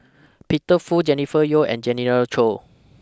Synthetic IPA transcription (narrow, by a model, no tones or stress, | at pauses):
pitəfud͡ʒɛnifəjoɛ̰̃nd͡ʒɛnɛɹəlt͡ʃʰo